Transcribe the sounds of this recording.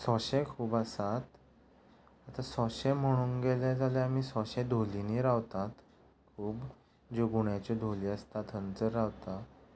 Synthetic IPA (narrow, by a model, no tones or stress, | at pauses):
sɔɕekʰuːbasat̪ | at̪asɔɕem̤əɽ̃uːnɡelad͡zaljaamiːsɔɕẽd̪ʱoliniɾaʋt̪at̪ | kʰuːb | d͡ʑeɡuɳjat͡ɕɔd̪ʱoliast̪at̪ɦənt͡səɾɾaʋt̪a